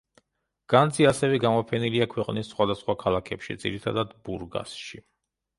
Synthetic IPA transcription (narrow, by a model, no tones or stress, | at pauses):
ɡ̥and̪ziasɛvɛɡamɔpʰɛniliakʰwɛqʼnisːχwad̪asχwakʰalˠakʰɛpʃḭd̪zḭɾit̪ʰad̪ad̪buɾɡa̰sʃi